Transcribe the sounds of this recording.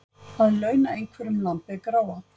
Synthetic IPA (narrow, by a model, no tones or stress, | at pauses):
haðlœːɥnaejŋkʰvɛɾʏmlampɪkɾaːwa